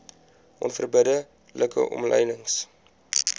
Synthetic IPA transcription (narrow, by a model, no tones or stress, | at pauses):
ʔɔnfərbədə | ləkə̰ʔɔmlɛjnəŋs